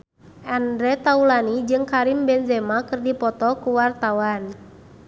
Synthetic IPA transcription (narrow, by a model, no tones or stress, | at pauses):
ʔandɾɛt̪aulanid͡ʒɨŋkaɾimbɛnzɛmakɨrdipɔt̪ɔkuwart̪awan